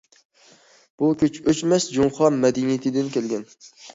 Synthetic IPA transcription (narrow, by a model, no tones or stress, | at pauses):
b̥ukʲʰyt͡ʃøt͡ʃmɛsd͡ʒomχɑnmɛd̪inijet̪ʰɪd̪ɪnkʲʰelɡʲɛn